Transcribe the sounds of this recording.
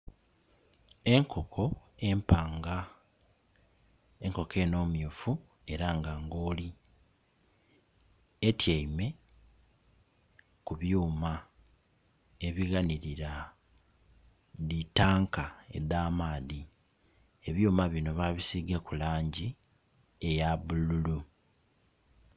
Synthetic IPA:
e̞ŋkʰo̞kʰo̞e̞mpaːŋɡa | eŋko̞kʰe̞ːno̞ːmjuːfu | e̞ɾaŋɡaːŋɡo̞ːli | etjaime̞ | kuβjuːma | e̞βiɣaniɾiɾa | ðitaːŋkae̞̰d̪aːmaːði | e̞βjuːmaβino̞βaβisiɡakulaːɲɟi | e̞jaβululu

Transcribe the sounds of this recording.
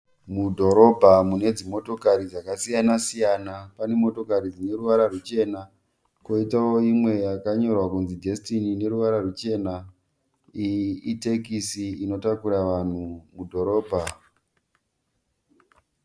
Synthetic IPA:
mudʱo̞ɾo̞bʱamune̞d͡zimo̞to̞kaɾid͡zakasijanasijanapane̞mo̞to̞kaɾid͡zine̞ɾuʋaɾarut͡ʃe̞na | ko̞itao̞imwe̞jakaɲo̞rwakunzidʱe̞stinine̞ɾuʋaɾarut͡ʃe̞na | iite̞kisiino̞takuɾaʋan̤umudʱo̞ɾo̞ːbʱa

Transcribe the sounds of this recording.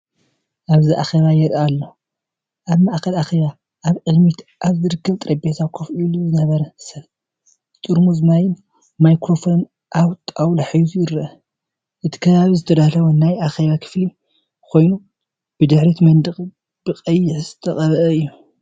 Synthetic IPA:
ʔaβziʔa̰xeβajɛɾalːo | ʔaβmaʔkʰɐlaxeβa | ʔaβʕɨɡmit̪ʔaβzɨɾɨkːɐβt̪ʼɾʔɐbet̪ʰakʰofiluzɨnɐβɐɾɐsɐβ | t̪ʼuɾmuzɨnajɪn | majkɾo̞fo̞n | ʔawt̪ʼawlaħɨjuzujɪɾʔɐ | ʔɨt̪ʰi̥kʰɐβaβizɨt̪ʰɐd̪ahlɐwunajʔaxeβakʰɨ̥fli | kʰo̞jnu | b̥ɨd̪ɨħɾit̪mɐnd̪ɨχʼ | b̥ɨqʼɐjːɪħzɨt̪ʰɐχʼɐβʔɐɨjːu

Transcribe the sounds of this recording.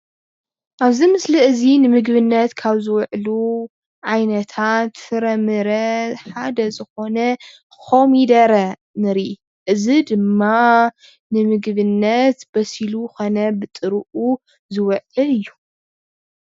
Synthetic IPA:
ʔaβzimɨsliʔɨzinɨmɨɡβɨnːɐt̪kʰaβzɨwʕlu | ʕajnɐt̪ʰat̪fɨɾɐmɨɾɐħad̪ɐzɨxo̞nɐ | kʰo̞mid̪ɐɾɐ | nɨɾi | ʔɨzid̪ɨmːa | nɨmɨɡβɨnːɐt̪bɐsiluxonɐbɨt̪ʼɨɾɨʔu | zɨwɐʕɨlɨjːu

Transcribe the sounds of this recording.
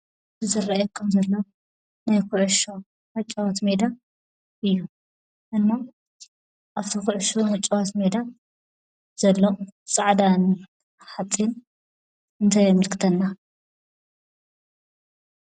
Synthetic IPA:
ɨzɨrajɛkʰɐmzɐlːo | najkʰuʕʃo | mɨt͡ʃʼwat̪me̞d̪a | ʔɨjːu | ʔɨnma | ʔaβt̪ʰikuʕʃomɨt͡ʃʼɐwat̪me̞d̪a | z̥ɐlːot͡sʼaʕd̪an | ħat͡sʼːin | ɨnt̪ʰajamɨlkʰɨ̥t̪ʰɐnːa

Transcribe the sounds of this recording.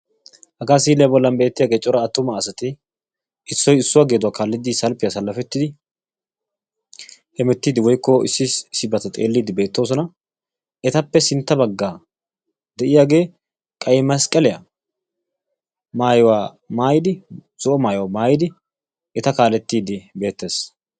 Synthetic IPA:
hɐɡaːsiːlɛjabɔlːɐmbeːt̪ːɪjaːɡe̞ːt͡ʃʼɔɾɐːt̪ːʊmɐːsɐt̪ɪ | ʔɪsːɔjɪsːʊwaːɡe̞ːd̪ʊaːkaːlːɪd̪ɪsɐlpɪjasɐlːɐfɛt̪ːɪd̪ɪ | hɛmɛt̪ːiːd̪ɪwɔjkːɔɪ̰sːɪsːɪbɐt̪ɐt̪ʼḛːlːiːd̪ɪbe̞ːt̪ːo̞ːs̬ɔnɐ | ʔɛt̪ɐpːɛsɪnt̪ːɐbɐɡːa | d̪ɛʔɪjaːɡe̞ː | kʼɐjmɐskʼɐlɛjɐ̰ | maːjɔwa | maːjɪd̪ɪ | z̥ɔʔɔmaːjʊwamaːjɪd̪ɪ | ʔɛt̪ɐkaːlɛt̪ːiːd̪ɪbe̞ːt̪ːe̞ːs

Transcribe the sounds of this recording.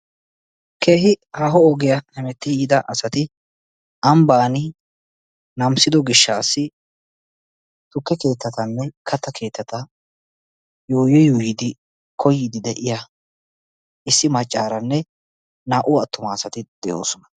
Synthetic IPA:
kʰe̞ːɦɪhaːɦɔɔɡɛjɐhɛmɛt̪ːɪjiːd̪ɐʔɐsɐt̪ɪ | ʔɐmbaːnɪ | nɐmsɪd̪ɔɡɪʃːaːsːɪ | t̪ʊkːɛke̞ːt̪ːɐt̪ɐnːɛkʰɐt̪ːɐkʰe̞ːt̪ːɐt̪ɐ | joːjɛjuːjɪd̪ɪ | kʰɔjːɪd̪ɪd̪ɛʔɪja | ɪsːɪmɐt͡ʃʼːaːɾɐnːɛ | naːʔʊɐt̪ːʊmaːsɐt̪ɪd̪̥ɛjo̰ːsɔnɐ̥

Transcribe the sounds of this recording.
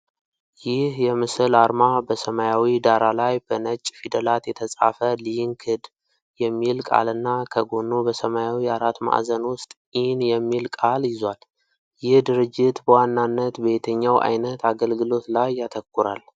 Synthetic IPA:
jɪhjɛmɨsɨlaɾmabəsəmajawid̪aɾalajbənət͡ʃʼːfid̪əlat̪jɛt̪ʰəsʼa̰fəlijŋkʰɨd̪ | jɛmːilkʼa̰lɨnːakʰəɡo̞nːobəsəmajawiaɾat̪ma̰ʔzənwʊst̪ʼ | ɪhnjɛmːilkʼaljɪzwal | jɪhd̪ɨɾɨd͡ʒːɪt̪bəwanːanːət̪be̞t̪ʰəɲːawʔa̰jnət̪ʰaɡəlɡɨlo̞t̪lajːat̪ʰəkːuɾal

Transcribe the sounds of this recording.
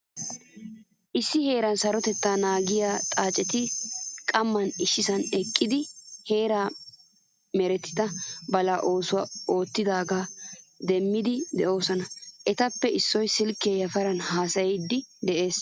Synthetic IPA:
ʔɪsːɪhe̞ːɾɐnsɐɾɔt̪ɛt̪ːaːnaːɡɪjat̪ʼaːt͡ʃʼɛt̪ɪkʼɐmːɐnɪʃːɪsɐnɛkʼːɪd̪ɪhe̞ːɾaː | mɛɾɛt̪ːɪ̥t̪ɐbɐlaːʔo̞ːsʊwaːo̞ːt̪ːɪd̪aːɡaːd̪ɛmːɪd̪ɪd̪ɛʔo̞ːsɔnɐʔɛt̪ɐpːɛʔɪsːɔjsɪlkːeːjɐfɐɾɐnhaːsɐjɛd̪ːɪd̪ɛʔe̞ːs

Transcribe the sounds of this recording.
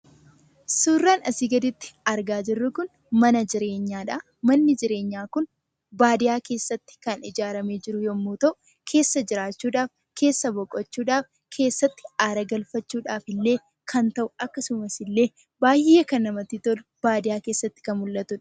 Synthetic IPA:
suːrːaːnɐsɪɡɐd̪ɪt̪ːɪ̥ɐɾɡaːd͡ʒɪrːʊkʊn | mɐnɐd͡ʒɪɾe̞ːɲːaːᶑa | mɐnːɪd͡ʒɪɾe̞ːɲːaːkʊn | baːd̪ɪjaːke̞ːsːɐt̪ːɪ̥kɐnɪd͡ʒaːɾɐmeːd͡ʒɪɾʊjɔmːoːt̪ɐʔʊ | kʰe̞ːsːɐd͡ʒɪɾaːt͡ʃːuːᶑaːf | kʰe̞ːsːɐbɔkʼːɔt͡ʃːuːᶑaːf | kʰe̞ːsːɐt̪ːɪ̥aːɾɐɡɐlfɐt͡ʃːuːᶑaːfɪlːe̞ː | kʰɐnt̪ɐʔʊɐkːɐsʊmɐsɪlːe̞ː | baːhɪjɐkɐnːɐmɐt̪it̪ɔlʊb̥aːd̪ɪjaːke̞ːsːɐt̪ːɪ̥kɐnmʊlːɐt̪ʊᶑɐ̥

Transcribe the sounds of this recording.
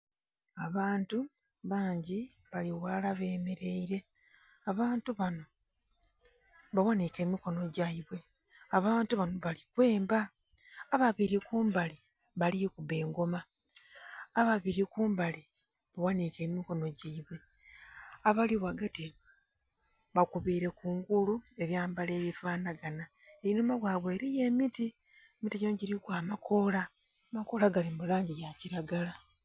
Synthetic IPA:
aβaːntu | βaːɲɟiβaliwalaβe̞ːmeɾe̞iɾe̞ | aβaːntuβano̞ | βawanike̞ːmiko̞no̞ɟaiβwe̞ | aβaːntuβano̞βalikwe̞ːmbaː | βaβiɾikuːmbali | βalikuβe̞ːŋɡo̞ma | βaβiɾikuːmbali | βawanike̞ːmiko̞no̞ɟiiβwe̞ | aβaliwaɡati | βakuβiɾe̞kuːŋɡulue̞βjaːmbale̞ːβifaːnaɡana | einomaβwaːβwe̞ːɾije̞ːmiti | emitiɟoːɲɟiɾikwaːmakʰo̞la | mako̞laɡalimulaːɲɟijaciɾaɡala

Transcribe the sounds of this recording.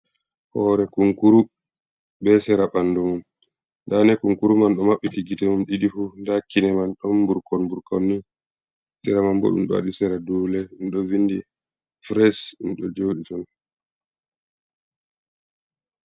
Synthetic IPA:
hɔɾɛkuŋkuɾu | bɛsɛɾaɓandɔmum | ndanɛkuŋkuɾumanɗɔmaɓːikiɡitɛmumɗiɗifundakːinɛmanɗɔmbuɾkɔnbuɾkɔnːi | sɛɾamambɔ̰ɗṵmɗa̰ɗisɛɾaduːlɛɗunɗɔvindi | fɾɛsunɗɔd͡ʒoːɗitɔn

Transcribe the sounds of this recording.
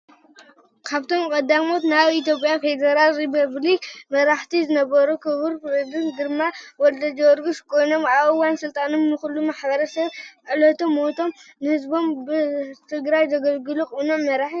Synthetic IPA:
kʰaβt̪ʰo̞mkʼɐd̪amo̞t̪naβit̪ʰjo̞pʼjafe̞d̪ɐɾalɾipʰɐβlikmɐɾaħt̪ʰizɨnɐβɐɾukʰɨβɨɾɾɨbɨnd̪ɨɾmawɔld̪ɐd͡ʒɐwɔɾɡuskʰo̞jno̞maβɨwansɨlt̪ʼanomnɨxulːumaħbɐɾɐsɐβʔɨlɐt̪ʰomːo̞t̪ʰo̞mnɨhɨzbo̞mbɨt̪ʰɨɡɾajzɐɡɐlɡɨlukʼunomːɐɾaħi

